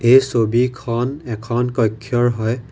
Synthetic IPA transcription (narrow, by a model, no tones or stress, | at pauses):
ejsobikʰɔnɛkʰɔnkɔjkʰːjɔɹɦɔj